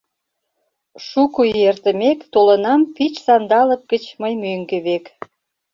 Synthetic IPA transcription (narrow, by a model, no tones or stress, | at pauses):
ʃukujert̪ə̆mekt̪olənɑmpit͡ɕsɑnd̪ɑləp̚ɡ̥ət͡ɕməjmøŋɡĕβek